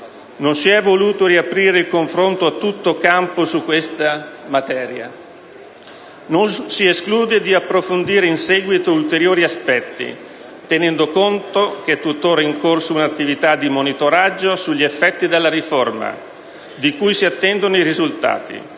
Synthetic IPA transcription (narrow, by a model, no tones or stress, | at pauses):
nonsiɛvːoluːt̪oɾiapɾiːɾeilkoɱfɾont̪oat̪ːut̪ːokamposukːwest̪amat̪ɛːɾja̰ | nonsieskluːd̪ed̪iapːɾofond̪iːɾeinsɛːɡwit̪oult̪eɾjoːɾiaspɛt̪ːḭ | t̪enɛnd̪okont̪ok̟et̪ːut̪ːoːɾaiŋkorsounat̪ːivit̪ad̪imonit̪oɾad͡ʒːosuʎːiefːɛt̪ːid̪elːaɾiforma̰ | d̪ikujsiat̪ːɛnd̪onoiɾizult̪a̰ːt̪ḭ